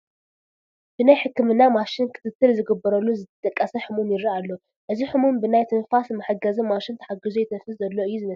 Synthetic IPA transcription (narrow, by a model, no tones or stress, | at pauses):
b̥ɨnajħɨkːɨmɨnːamaʃɪnkʰɨ̥t̪ʰɨt̪ʰːɨlzɨɡɨbːɐɾɐlːuzɨt̪ʰɐt̪ʼɐkʼːɐsɐħɨmumjɪɾialːo | ʔɨziħɨmumbɨnajt̪ʰɨnfasmːɐħaɡɐzumaʃɪnt̪ʰɐ̥ħaɡɨzujɛt̪ʰɐfɨszɐlːoʔɨjːuzɨmɐ